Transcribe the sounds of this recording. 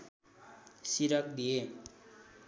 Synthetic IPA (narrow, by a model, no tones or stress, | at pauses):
siɾʌk̚d̪ije